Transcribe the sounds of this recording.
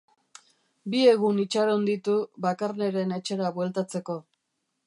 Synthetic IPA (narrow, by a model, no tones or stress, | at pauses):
bie̞ɣunit͡ʃaɾond̪it̪uβakarne̞ɾe̞ne̞t͡ʃe̞ɾaβwe̞lt̪at͡se̞ko̞